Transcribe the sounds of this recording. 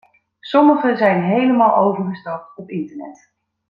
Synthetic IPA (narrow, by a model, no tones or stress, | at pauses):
sɔməχəzɛjnɦejləmaːlˠʔowvəɹχəstɑp̚tɔpɪntəɹnɛ̰t